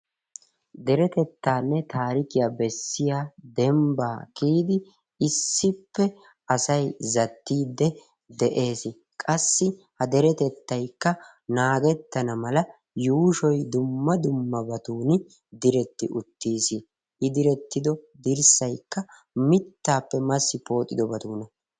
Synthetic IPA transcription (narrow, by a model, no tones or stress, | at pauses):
d̪ɛɾɛt̪ɛt̪ːaːnːɛt̪aːɾɪkɪjaːbɛsːɪjaːd̪ɛmbaːkiːd̪ɪ | ɪsːɪpːɛ | ɐsɐjzɐt̪ːiːd̪ːɛ | d̪ɛʔe̞ːsɪ | kʼɐsːɪhɐd̪ɛɾɛt̪ɛt̪ːɐjkːɐ | naːɡɛt̪ːɐnɐmɐlɐ | juːʃɔjd̪ʊmːɐd̪ʊmːɐbɐt̪uːnɪ | d̪ɪɾɛt̪ːɪʔʊt̪ːiːsɪ | ʔɪd̪ɪɾɛt̪ːɪd̪ɔd̪ɪɾsɐjkːɐ | mɪt̪ːaːpːɛmɐsːɪpo̞ːt̪ʼːɪd̪ɔbɐt̪uːnɐ